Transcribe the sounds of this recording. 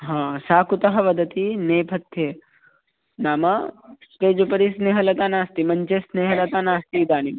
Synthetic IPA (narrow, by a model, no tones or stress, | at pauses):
ɦãːsaːkut̪ɐɦɐʋɐd̪ʱɐt̪ineːpʰɐt̪ːjeː | naːmɐspeːd͡ʒupɐɾisneːɦɐlɐt̪aːnaːst̪imɐɲt͡ʃeːsneːɦɐlɐt̪aːnaːst̪iːd̪aːnim